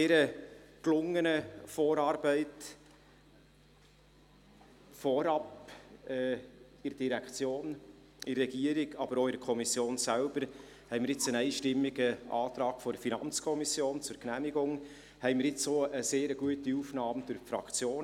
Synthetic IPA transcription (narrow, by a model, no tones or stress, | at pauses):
eːɾəklʊŋːənəfoːɾɑːɾb̥ɛɪt | fɔɾɑpɛː | ɪɾd̥iɾɛkχt͡sjoːn | ɪrːɛɡ̥iəɾiɡɑbəɾoɪdəkʰɔmisjoːnsælb̥əɾ | hɛɪmɪɾɪt͡sənɛɪʃtɪmːiɡəʔɑ̰ːt̪ɾɑːɡ̥fɔdəfinɑnt͡skʰɔmisjoːnt͡sʊɾknæmiɡʊŋ | hɛɪmɪɾɪt͡soːəseːɾəɡ̥uətiuːfnɑːmd̥ʊɾfɾɑ̰kt͡sjoːn